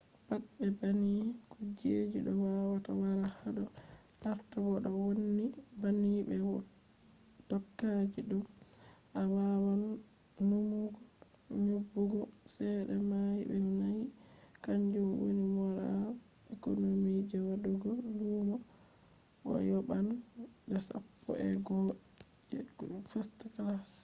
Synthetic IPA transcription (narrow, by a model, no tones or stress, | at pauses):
b̥aɗɛbanikɔd͡ʒed͡ʒuɗɔwawatawaɾahaɗɔ | ʔaɾtawɔɗɔwonːibanibɛwɔ | d̥ɔkːad͡ʒiɗɔ | ʔawawan | numuɡɔ | ɲobːuɡɔ | sɛɗɛmajibɛnaj | kaɲd͡ʒumwḭnimɔɾa | ʔɛkonomid͡ʒɛwaɗuɡɔluːmɔ | ɓɔ̰jɔban | bɛsa̰pːɔ̰ʔɛɡɔ | fastaklas